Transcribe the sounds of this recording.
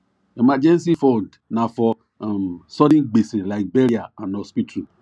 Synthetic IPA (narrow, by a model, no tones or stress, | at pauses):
emad͡ʒɛnsifɔ̃nd | nafɔ | sɔɾĩnɡ͡beselaɪk̚beɾiaãnɔspitʰu